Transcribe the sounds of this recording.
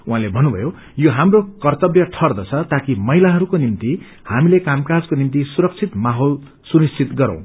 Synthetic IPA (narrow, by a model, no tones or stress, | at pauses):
uɦãlebʱʌnːubʱʌ̰jo | joɦamrokʌrt̪ʌbjʌʈʰʌrd̪ʌt͡sʰʌt̪akimʌjlaɦʌɾukonimt̪i | hamilekamkad͡zkonimt̪isuɾʌk̚t͡sʰit̪maɦol | sunist͡sʰit̪ɡʌɾʌ̰̃w̃